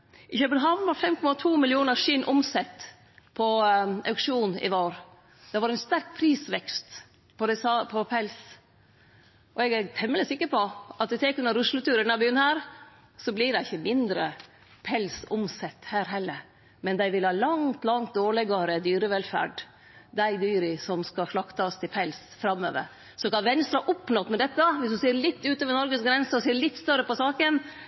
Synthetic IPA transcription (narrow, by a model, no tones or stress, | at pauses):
ʔɪçøːbənɦɑːʋnʋɑɾfɛmkʰɔmɑt̪ʰuːmɪlɪuːnəɾʂɪnʔʊmsɛt̪ː | pʰɔʔɑʉkʂuːnɪ̰ʋoːɾ | d̪̥ɛʋɑɾæɪnst̪æɾk̚pʰɾiːsʋɛkst̪ | pʰɔd̪ɛsɑpʰɔpʰɛls | ʔɔɛɡæɾt̪ʰɛmːələsɪkːəɾpɔʔɑt̪̚d̪ɪt̪ʰɛːkʉnɑɾʉʂlət̪ʉːɾənɑbyːənhæːɾ | sɔblɪɖæɪçəmɪnd̪ɾə | pʰɛlsʊmsɛt̪ːhæːɾɦɛlːəɾ | mɛnd̪æɪʋɪlhɑːlɑŋt̪lɑŋt̪̚d̪oːɭɪɡɑɾəd̪yːɾəʋɛlfæ̰ːɖ | d̪æɪd̪yːɾɪsɔmskɑʂɭɑkt̪ɑst̪ʰɪlpʰɛls | fɾɑmːø̰ːʋə̰ɾ | sɔkɑnʋɛnst̪ɾɑʔʊpːnɔt̪mɛd̪ɛt̪ːəʋɪsd̪ʉseːɾɭɪt̪ːʉːt̪øːʋəɾnɔɾɡəsɡɾɛnsəɔseːɭɪt̪ːst̪œɾːəpɔsɑːkən